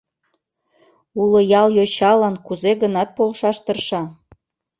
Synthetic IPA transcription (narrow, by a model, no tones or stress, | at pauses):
ulə̆jɑljot͡ɕɑlɑnkuzeɣənɑt̪̚polʃɑʃt̪ərʃɑ